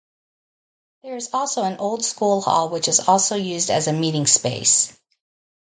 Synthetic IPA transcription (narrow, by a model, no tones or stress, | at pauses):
ðə˞ɨzɔlˠsoʊə̃nʔoʊlˠd̥skulˠhɔ̰lˠwɨt͡ʃɨzɔlˠsoʊjʉzdɨ̰zɨmiɾɪ̃ŋspeɪs